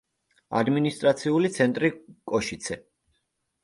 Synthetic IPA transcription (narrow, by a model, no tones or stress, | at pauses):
a̰d̪minist̪ʼɾat̪sʰiulit̪sʰɛnt̪ʼɾikʼɔʃit̪sʰɛ